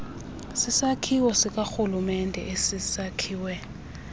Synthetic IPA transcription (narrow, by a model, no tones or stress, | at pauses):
sisakʰiwɔsikʼaxulumɛndʱɛ̰ʔesisakʰiːwɛ